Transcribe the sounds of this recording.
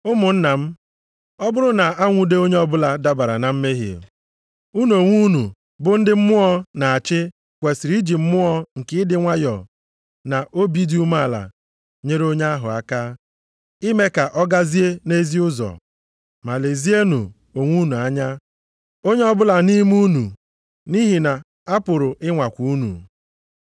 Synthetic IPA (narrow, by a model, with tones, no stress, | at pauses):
ʊ˦mʊ˨n̩˦na˨m̩˦ | ɔ˦bʊ˦ɾʊ˦na˨a˦ŋʷu˦de˦o˦ɲe˦ɔ˦bʊ˦la˨da˦ba˨ɾa̰˨na˨m̩˦me˦ɦḭ˨ḛ˨ | u˦n˦o˨ŋʷu˦nu˨ | bʊ˨n̩˦dɪ˦m̩˦mʊ˦ɔ˦na˨a˨t͡ʃɪ˦ | kʷe˨si˨ɾi˦d͡ʒi˨m̩˦mʊ˦ɔ˦ŋ̩˨kɪ˦ɪ˦dɪ˦ŋʷa˦jɔ̰˨ | na˨ʔo˦bi˦di˦u˦ma˦˨la̰˨ | ɲe˦ɾo˦ɲa˦ɦʊ̰˨a˦ka˦ | i˦me˦ka˨ʔɔ˦ɡa˦zi˦e˦ne˦zi˦ʊ˦zɔ̰˨ | ma˨le˨zi˦e˦nṵ˨ | o˨ŋʷu˦nu˨a˦ɲa˦ | o˦ɲe˦ɔ˦bʊ˦la˨ni˦m˦u˦nu˨ | ni˦ɦi˨na˨ | a˦pʊ˨ɾʊ˨ʔɪ˦ŋʷa˨kʷu˨u˦nṵ˨